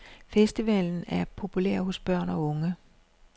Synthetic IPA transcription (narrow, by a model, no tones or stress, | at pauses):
fesd̥iʋɛln̩æɐpʰo̝pʰuleɐ̰ɦosb̥ɶɐ̰nɒ̽ɔ̽ŋə